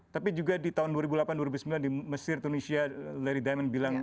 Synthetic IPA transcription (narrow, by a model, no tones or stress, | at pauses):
t̪apid͡ʒuɡadit̪aɦʊnduwaɾibulapanduwaɾibusəmbilandiməsɪrt̪unisialɛɾidajmanbilaŋ